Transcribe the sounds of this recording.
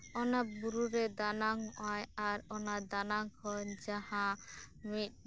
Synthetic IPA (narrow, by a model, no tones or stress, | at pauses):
ɔnabuɾuɾɛd̪anaŋɔʔajaɾɔnad̪anaŋkʰɔnd͡ʒahãmit̪̚ˀ